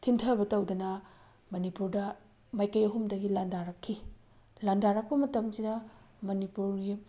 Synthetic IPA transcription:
tʰintʰɐbɐtɐwdɐnɐ | mɐnipuɾdɐ | majkɐjɐɦumdɐɡilandaɾɐkʰːi | landaɾɐk̚pɐmɐtɐmsidɐ | mɐnipuɾɡi

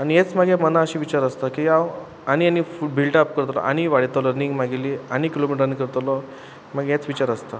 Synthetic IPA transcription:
aniet͡sməɡeməlaəɕiːʋit͡ɕaɾəst̪akiaw | añianifubʱilʈəp̚kəɾt̪lɔ̰ʔa̰ɽ̃iʋaɽ̤it̪ələɾniŋɡmaɡiliːañikilomiʈɾənikəɾt̪lɔ | məɡjet͡sʋit͡ɕaɾəst̪a

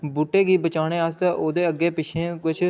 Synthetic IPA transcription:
buːʈeːɡiːbət͡ʃaːɽ̃eːaːst̪ãːʔoːd̪eːəɡːeːpɪt͡ʃʰẽːkʊt͡ʃʰ

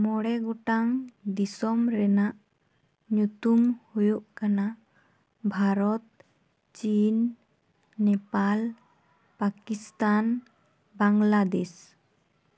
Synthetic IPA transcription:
mɔɽɛɡɔʈaŋd̪isɔmɾɛnaʔ | ɲut̪umhujuʔkana | bʱaɾɔt̪̚ | t͡ʃinː | ɛpal | pakist̪an | baŋlad̪ɛs

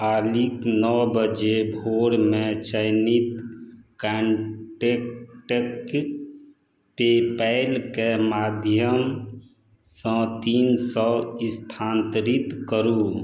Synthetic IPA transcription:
aːliknɔːbəd͡ʒebʱoːɽmẽt͡ʃəɪnit̪kɛɳʈekʈek | pepɛɪlkemaːd̪ʱjəm | sɔ̃t̪iːnsɔɪst̪ʰaːnt̪ɾit̪kəɾũ

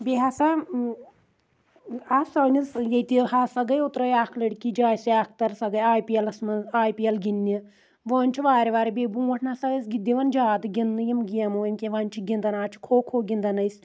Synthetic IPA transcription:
bʲeɦasa | asoːnʲisjɐjt̪iɦasɐɡɐjut̪ɾɐjaːkʰlɐɽʲkid͡ʒaːjsiaːkʰt̪ɐɾsɐɡɐjaːjpiɐlɐsmɐaːjpiɐlɡinːi | ʋoːnʲt͡ʃʰiʋaːɾʋaːɾbʲeːbũːʋɐʈʰnaːsɐɡɐsɡid̪iʋɐnd͡ʒaːd̪ɨɡʲinːɨjɐmɡijɐmuemʲkʲeʋɐnʲt͡ʃʰiɡʲind̪ɐnaːt͡ʃʰi̥kʰoːkʰoːɡʲind̪ɐnɐjs

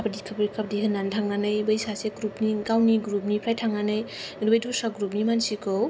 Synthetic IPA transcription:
apdikʰapɾikʰapdiɦɯnːantʰaŋanɯjbəjsaseɡɾupniɡawniɡɾup̚nipʰɾajtʰaŋanɯjɾibəjdusaɡɾup̚nimansikɯw

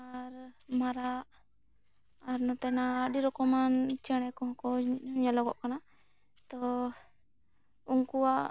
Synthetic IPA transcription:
aɾmaɾaʔ | aɾnɔt̪ɛnaːɗiɾɔkɔmant͡ʃɛɽ̃ɛkɔɦɔ̃kɔɲalɔɡɔ̰ʔkana | t̪ɔ | uŋkuwaʔ

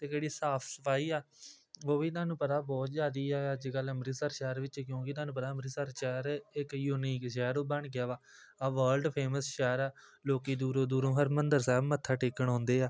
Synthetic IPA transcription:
t̪eːd͡ʒeːɽiːsaːpʰsəpʰaːiːaː | oːbiːt̪aːnũːpət̪aːbɔːt̪zjaːd̪iːaːəd͡ʒɡələmɾiːsəɾʃɛːɾʋɪt͡ʃkjõːkɪt̪aːnũːpət̪aːəmɾiːsəɾʃɛːɾɪkjuːniːkʃɛːɾoːbəɳɡɪjaːʋaː | aːʋəːlɖpʰeːməsʃɛːɾaːloːkiːd̪uːɾõːd̪uːɾõːɦəɾmənd̪əɾsɛːbmət̪ʰːaːʈɪkːəɳ̃ɔ̃ːnd̪eːaː

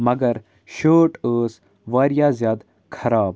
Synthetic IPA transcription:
mɐɡɐɾ | ʃoːʈəːs | ʋaːɾjaːzjaːd̪ | kʰɐɾaːb

